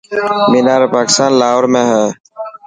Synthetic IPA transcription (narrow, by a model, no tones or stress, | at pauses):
miːnaːɾepaːkɪ̥st̪aːnlaːɦoɾmẽːɦɛː